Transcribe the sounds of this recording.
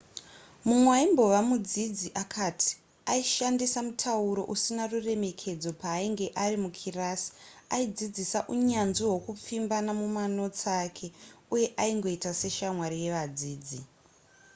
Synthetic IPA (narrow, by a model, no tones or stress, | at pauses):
mumweaimbo̞ʋamud͡zid͡ziʔakʰatʰi̥ | aiʃandisamutʰauɾo̞̰ʔusinarure̞me̞kʰe̞d͡zo̞paːiŋɡeʔarimukʰiraːsi̥aid͡zid͡zisaʔuɲanʐiɦokup͡fimbanamumano̞t͡sakʰe̞uje̞ʔaiŋɡo̞itase̞ʃamwaɾije̞ʋad͡ziːd͡zi